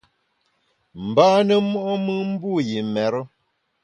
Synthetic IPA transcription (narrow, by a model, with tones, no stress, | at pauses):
m̩˨baː˦nə˦mɔ˦ʔɔ˦mɨ˦m̩˦bu˦˨ji˨mɛ˨ɾɔ˦